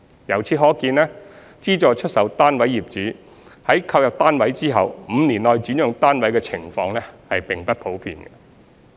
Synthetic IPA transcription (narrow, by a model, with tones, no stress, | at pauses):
jɐ˨˩wt͡sʰiː˨˥ɦɔː˨˥kiː˧nlɛː˥ | t͡siː˥t͡ʃɔː˨t͡ʃʰɵ˥t̚sɐ˨˥wt̪aː˥nwɐ˨˥jːiː˨p̚t͡ʃyː˨˥ | hɐ˨˥jkʰɐ˧wjɐ˨p̚t̪aː˥nwɐ˨˥jt͡siː˥ɦɐ˨wm̩˨˧niː˨˩nlɔː˨jt͡ʃyː˨˥njʊ˨˧ŋt̪aː˥nwɐ˨˥jkɛː˧t͡sʰɪ˨˩ŋfɔː˧ŋlɛː˥hɐ˨jpɪ˨ŋpɐ˥t̚pʰo˨˥wpʰḭː˧nɡɐ˧